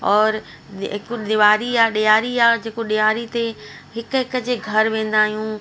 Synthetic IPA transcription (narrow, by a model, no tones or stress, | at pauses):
ɔːɾ | ɦɪkuɗ̪ɪʋaːɾiaːɗijaːɾiaːd͡ʑeːkoɗijaːɾit̪eɦɪkɦɪkə̆d͡ʑeːɡʱɐɾʋẽːn̆d̪aːɦijũː